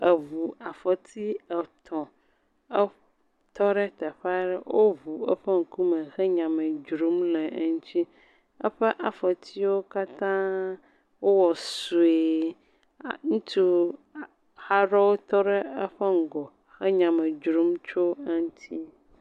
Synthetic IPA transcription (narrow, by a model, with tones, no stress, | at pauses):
ə˨vu˨a˨fə˨t̪ʰi˦ɛ˨t̪ʰɔ̃˨ | ɛ˦ | t̪ɔ˦ɖɛ˦t̪ɛ˨ɸa˦ɖɛ˦wʔo˦vu˨ə˦ɸɛ˦ŋ̩˨ku˦mɛ˨xɛ˦ɲã˨mɛ̃˨d͡ʒɾu˨˦mlɛ˨˦ŋu˦t͡ɕi˦ | ə˦ɸɛ˦ʔa˨fə˨t̪ʰi˦wo˦ka˦t̪ã˦ | wo˦wɔ˨su˨e˨ | ŋũ˦t̪u˦˨ | ha˦ɖɔ˦wo˦t̪ɔ˦ɖɛ˦ə˦ɸɛ˦ŋ̩˨ɡɔ˨ | xɛ˦ɲã˨mɛ˨d͡ʒɾu˦mt͡ʃo˦a˦ŋ˦t̪ʰi˦